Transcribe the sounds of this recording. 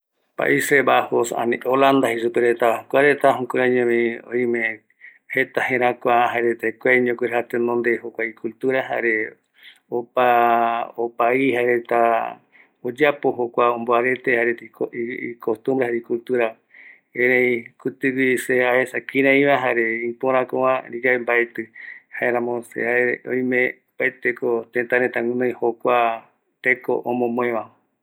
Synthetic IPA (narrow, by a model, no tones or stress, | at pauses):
pa̰ʔiseβahosa̰nĩʔoland̪aɦisupeɾet̪akʷaɾet̪aɦũkuɾaɲẽmẽo̰ĩmẽ | het̪ahẽɾ̃ãkʷaɦaɾet̪ekʷaɲõkiɾhat̪enõnd̪ehokʷaikult̪uɾaɦa̰ɾe | opa | opaihaɾet̪a | od͡ʒapoɦokʷaõmboaɾe̞t̪ehaɾeoikʰost̪ũmbɾehaɾikult̪uɾa | eɾẽĩkut̪ɨwiseaesakĩɾãĩβaɦaɾe̞ĩpoɾ̃ãkõwãɾid͡ʒaembaet̪ɨhaeɾãmõsḛaeõ̰j̃mẽ | paet̪ekot̪ẽnt̪aɾet̪ãŋũnõĩhokʷa | t̪eko̰ʔõmõmõẽʋã